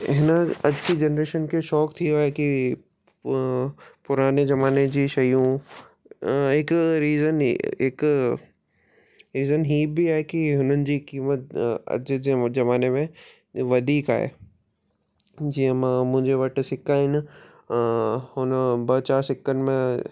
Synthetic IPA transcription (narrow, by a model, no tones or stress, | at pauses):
ɪɦɪnəɐd͡ʑkid͡ʑɐnɾeːʃənkʰeʃɔːkt̪ʰiaːeki | pʊɾaːnezɐmaːned͡ʑiːʃɐjũ | ɦɪkɾiːzənɦɪk | ɾiːzənɦiːbiaːɦekiɦʊnənɪ̆d͡ʑiːkiːmət̪ɐ̰d͡ʑd͡ʑd͡ʑɐmaːnemẽ | ʋɐd̪ʱiːka̰ːɦḛː | d͡ʑiə̃mãmʊ̃ɦɪ̃ɲd͡ʑeʋɐʈsɪkːaɦɪn̆ | hʊnbɐt͡ɕaːɾsɪkːənmẽ